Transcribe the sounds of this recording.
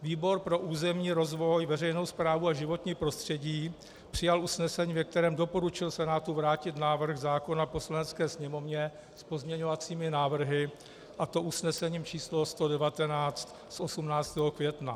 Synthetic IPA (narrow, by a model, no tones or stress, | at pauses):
viːbo̞ɾpɾo̞ʔuːzɛmɲiːɾo̞zvo̞jvɛrɛjno̞wspɾaːvuaʒɪvo̞t̪ɲiːpɾo̞st̪r̝̥ɛɟiː | pr̝̥ɪjalʔusnɛsɛɲiːvɛk̚t̪ɛɾɛːmdo̞po̞ɾut͡ʃɪlsɛnaːt̪uvɾaːcɪt̪naːvr̩xzaːko̞napo̞slanɛt͡skɛːsɲɛmo̞vɲɛ | spo̞zmɲɛɲo̞vat͡siːmɪnaːvr̩ɦɪ | ʔat̪o̞ʔusnɛsɛɲiːmt͡ʃiːslost̪o̞dɛvat̪ɛnaːt͡st̪ | sʔo̞sumnaːt͡st̪ɛːɦokvjɛt̪na